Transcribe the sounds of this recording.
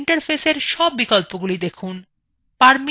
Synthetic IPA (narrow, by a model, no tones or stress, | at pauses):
ɳʈaɾfʰeseɾʃɔbːikɔlpoɡulid̪ekʰun | paɾmi